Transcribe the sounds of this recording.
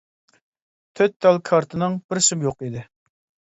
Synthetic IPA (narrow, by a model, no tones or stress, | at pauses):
t̪ʰøt̪̚d̪ɑlˠkʰɑɾt̪ʰɨnɨŋb̥ɪɾsɪmjoqid̪ɪ